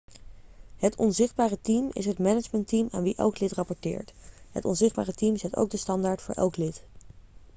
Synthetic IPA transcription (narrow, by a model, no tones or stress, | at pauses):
ɦətʰɔnzɪχd̚baːrətimɪ̰sɦətmɛnəd͡ʒməntima̰ːnʋiʔɛ̰lˠklɪtrɑpɔɹtɪ̰ːɹtɦə̰tɔ̰nzɪχd̚baːrətimzɛto̰wɡ̚dəstɑndaːɹtfʊ̰ːɹʔɛ̰lˠklɪt